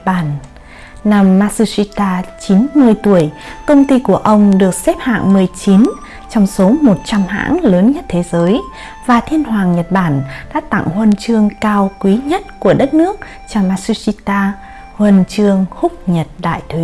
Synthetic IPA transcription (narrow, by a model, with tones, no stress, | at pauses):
ɓaː˧˩n | na˧˩mːaː˧su˧si˧t̪aː˧t͡ɕi˨˦nmɨ˧əjt̪u˧˩əjkə˧wŋ͡mt̪i˧ku˧˩əʔə˧wŋ͡mɗɨ˨˩ək̚sɛ˦˥p̚ha̰ː˧˨ŋmɨ˨˩əjt͡ɕi˨˦n | t͡ɕɔ˧wŋ͡mso˨˦mo˨˩t̚t͡ɕa˧mha̰ː˧˥ŋləː˨˦nɲə˦˥t̚t̪ʰe˨˦zəː˨˦j | vaː˨˩t̪ʰi˧ənhwaː˨˩ŋɲə˨˩t̚ɓaː˧˩nɗa̰ː˧˥t̪a̰˧˨ŋhwə˧nt͡ɕɨ˧əŋkaː˧wkwi˨˦ɲə˦˥t̚ku˧˩əɗə˦˥t̚nɨ˦˥ək̚ | t͡ɕa˧˩maː˧su˧si˧t̪aː˧ | hwə˧nt͡ɕɨ˧əŋhʊ˦˥p̚ɲə˨˩t̚ɗa̰ː˧˨jt̪ʰwi˨˦